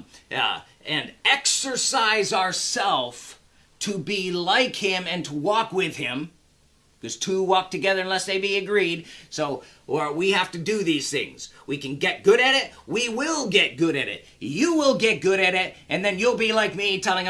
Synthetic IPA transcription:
ɨ̃nɛksə˞saɪzəə˞sɛlˠf | tʰɨbilaɪkhɪ̃mɨ̃ntʰəwɔkwɪð̥ɪ̃m | kʌz̥tʰʉwɔk̚tʰɨɡɛðə˞ɨ̃nlɛsðeɪbiɨɡɹid̚soʊ | ə˞wihæftɨdɨðiz̥θɪ̰̃ŋz̥wikɨ̃nɡɛt̚ɡ̥ʊɾɨɾɪt̚wiwɪlˠɡɛt̚ɡ̥ʊɾɨɾɪ̰t̚jɨwɪlˠɡɛt̚ɡ̥ʊɾɨɾɪɾɨ̃nðɨ̃njulˠbilaɪk̚mitʰɛlˠɪ̃ŋ

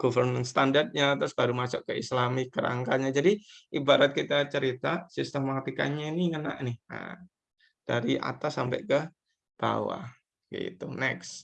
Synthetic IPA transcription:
ɡ̥ofərmənst̪andart̪̚ɲat̪ɾʊsbaɾumasʊʔkəislamɪkːəɾa̰ŋkaɲad͡ʒadiʔibaɾat̪̚kit̪at͡ʃəɾit̪asist̪əmat̪ika̰ɲainiŋəna̰ʔnɪha̰ | d̥a̰ɾiʔa̰t̪asampɛ̰ʔkə | b̥a̰wa̰ | ɡḭt̪unɛks

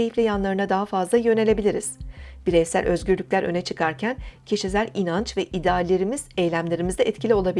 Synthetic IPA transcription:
ejiflʲejanlˠaɾɯnad̪aɦafazlˠajø̞ne̞lʲe̞bilʲiɾiz̥b̥iɾejsæ̰lʲʔøzɟyɾlʲyc̚lʲæɾʔø̞̰nɛt͡ʃʰɯkʰaɾcʰæncʰeʃizʲælʲinant͡ʃvɛʔid̪aːlːʲe̞ɾimiz̥ejlʲæmlʲe̞ɾimizd̪ɛɛt̪cʰilʲio̞lˠabi

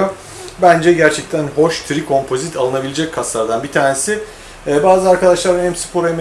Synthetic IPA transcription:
o | bænd͡ʒɛɟæɾt͡ʃʰɛc̚t̪ʰænho̞ʃt̪ʰɾikʰo̞mpʰo̞zit̪ʰalˠɯnabilʲed͡ʒɛckʰːaslˠaɾd̪anbit̪ʰaːnesɪ | ɛbaːzɯaɾkad̪aʃlˠaɾɯnɛmsi̥pʰo̞ɾeme

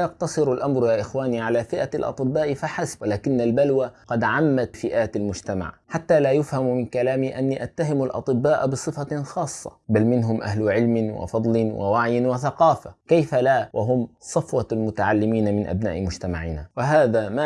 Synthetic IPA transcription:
jɑq̚t̪ɑsˤɨɾalʔamɾjaːʔɪxwaːniːʕalaːfɪʔalʔɑ̰t̪ˤɨbːaːʔfaħasbwɪlaːkɪnːalbalwaqɑd̪ʕamːat̪fɪʔaːt̪almʊd͡ʒt̪ama̰ʕħat̪ːaːlaːjʊfhammɪnkalaːmiːʔanːiːʔat̪ːaɦɪmalʔɑ̰t̪ˤɨbːaːʔbɨsˤɨfaxɑːsˤːɑ̰balmɪnɦʊmʔa̰ɦlʊʕɪlmɪwa̰fɑd̪ˤlɪwa̰waʕjɪnwaθaqɑːfakajfalaːwʔaɦʊmsˤɑfwɑlmʊt̪aʕalːɪmiːnamɪnʔa̰bna̰ːʔmʊd͡ʒt̪ama̰ʕɪna̰wɪɦaːðama

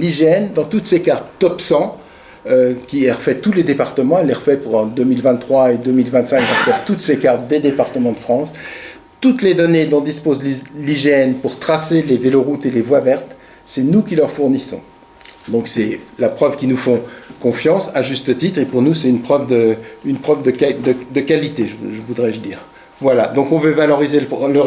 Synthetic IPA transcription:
liʒeɛnd̪ɑ̃t̪ut̪sekaʁt̪̚d̪ɔpsɑ̃ | økʲiɛʁəfɛt̪uled̪epaʁt̪əmɑ̃ɛlːɛʁəfɛpuʁɑ̃d̪ømilvɛ̃t̪ːχwaed̪ømilvɛ̃t̪sɛ̃kãfɛʁt̪ut̪sekaʁt̪̚d̪ed̪epaʁt̪əmɑ̃d̪əfχɑ̃s | t̪ut̪led̪ɔned̪ɔ̃d̪ispozlliʒeɛnpuʁt̪χaseleveloʁut̪elevwavɛʁt̪ | sɛnukʲilœʁfuʁnisɔ̰̃ | d̪ɔ̃ksɛlapχœvkʲinufɔ̃kɔ̃fjɑ̃saʒyst̪ət̪it̪χepuʁnusɛt̪ynpχœvd̪əynpχœvd̪əkd̪əd̪əkalit̪eʒəʒəvud̪ʁɛʒəd̪iːʁ | vwalad̪ɔ̃kɔ̃vøvalɔʁizellə

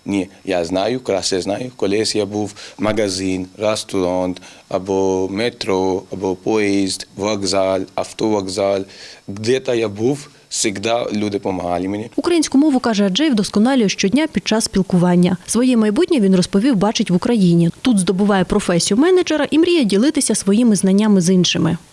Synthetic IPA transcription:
nʲijaznajʊkɔɾasɛznajʊkɔlʲɛsʲjabuwmɐɡɐzɪnɾɐst̪ʊɾant̪ɐbɔmɛt̪ɾɔɐbɔpɔɛzd̪ʋɐɡzalʲɐft̪ɔʋɐɡzalʲɡd̪ɛt̪ajabuw | sʲiɣd̪alʲud̪ɪpɔmɐɦalʲɪmenʲiʊkɾɐjinʲsʲkʊmɔʋʊkɑʒɛɐd͡ʒɛjwd̪ɔskɔnɑlʲʊjɛʃt͡ʃɔdʲnʲapʲid̪̚t͡ʃɑsːʲpʲilˠkʊʋɑnʲːɐsʋɔjɛmɐjbutʲnʲɐʋʲinrɔspɔʋʲiwbɑt͡ʃɪtʲʋʊkɾɐjinʲit̪ud̪zd̪ɔbʊʋɑjɛpɾɔfɛsʲijʊmɛnɛd͡ʒɛɾɐʔimɾʲijɛdʲilˠɪt̪ɪsʲɐsʋɔjimɪznɐnʲːamɪzinʃɪmɪ

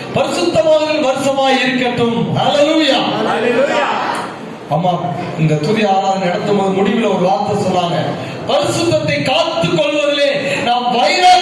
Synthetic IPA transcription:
pɐɾɪsɯt̪ːɐmaːɣɪnʋɐɾɯsɐmaːɪɾɯkːɐʈːɯmhɐleluːjaːj | ɐmːaː | ɪnd̪ɐt̪ʊðɪaːɾaːɾɐnɛɽɐt̪ːɯmboːðɯmʊɽɪʋɪlɐɔɾɯʋaːɾt̪ɐsɔnːaːŋɡɐ | pɐɾɪsɯt̪ːɐt̪ːɐɪkaːt̪ːɯkːɔɭʋɐðɪleːnaːmʋɐjɐɾaː

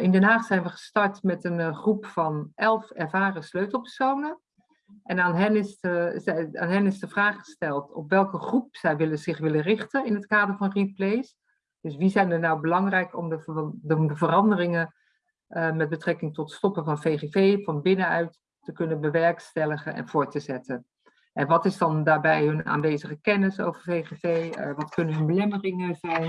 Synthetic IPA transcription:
ɪndɛnɦaːχtsɛjnʋəχə̥stɑɹtmɛtənχrupfɑnʔɛlˠfɛɹvaːrəsløɥtlˠpɛɹsownə | ʔɛnaːnɦɛnɪsəa̰ːnɦɛnɪsdəvraːχχə̥stɛlˠtɔ̰pʋɛlˠkəχrup̚sɛjʋɪləz̥ɪχʋɪlərɪχtənɪnɦətkaːdəɹvɑnriplejs | d̥ɵs̬ʋizɛjndənawbəlɑŋrɛjkɔmdədəvərɑndərɪŋə | ʔəmɛd̚bətrɛkɪŋtɔtstɔpəvɑnfejχevejvɑnbɪnənœɥtː | əkɵnənbəʋɛɹkstɛləχənɛ̰nv̥ʊːɹtəzɛtən | ʔɛnʋɑtɪzdɑndaːɹbɛjɦɵna̰ːnʋejzəχəkɛnɪso̰wvəɹfejχevejʋɑtkɵnənɦɵnbəlɛmərɪŋəzɛjn

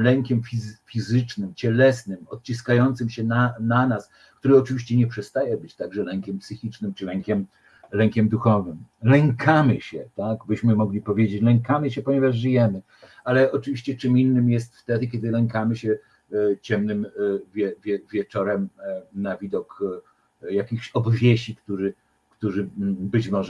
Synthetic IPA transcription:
lɛŋkʲɛmfʲifʲizɘt͡ʂnɘmt͡ɕɛlɛsnɘmɔt̪̚t͡ɕiskajɔnt̪sɘmɕɛnananas | kt̪uɾɘɔt͡ʂɘvʲiɕt͡ɕɛɲɛpʂɛst̪ajɛbɘt͡ɕt̪aɡʐɛlɛŋkʲɛmpsɘxʲit͡ʂnɘmt͡ʂɘlɛŋkʲɛm | lɛŋkʲɛmd̪uxɔvɘmlɛŋkamɘɕɛt̪aɡbɘɕmɘmɔɡlʲipɔvʲjed͡ʑet͡ɕlɛŋkamɘɕɛpɔɲɛvaʐʐɘjɛmɘ | alɛɔt͡ʂɘviɕt͡ɕɛt͡ʂɘminːɘmjɛst̪ft̪ɛd̪ɘkʲɛd̪ɘlɛŋkamɘɕɛ | t͡ɕɛmnɘmvʲjɛvʲjɛvʲjɛt͡ʂɔɾɛmnavʲid̪ɔk | jakʲixɕɔbvʲjeɕikt̪uʐɘ | kt̪uʐɘbɘt͡ɕmɔʐ

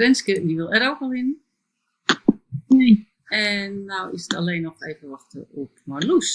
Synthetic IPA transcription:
rɛnskədiʋɪlˠɛɾowkəʋɪnən | ne | ɛnːawɪsəta̰leːnɔxeːvəʋɔxtə̰ɔp̚malus

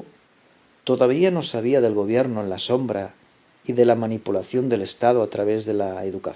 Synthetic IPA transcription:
t̪o̞ðaβ̞iano̞saβ̞iaðe̞lɣo̞β̞je̞ɾnoenlaso̞mbɾa | iðe̞lamanipulaθjo̞nd̪ele̞st̪að̞oat̪ɾaβe̞zðe̞laeðuka

